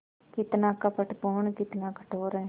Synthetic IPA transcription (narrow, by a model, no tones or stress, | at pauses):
kɪt̪naːkəpəʈpoːɳkɪt̪naːkə̥ʈʰoːɾɛː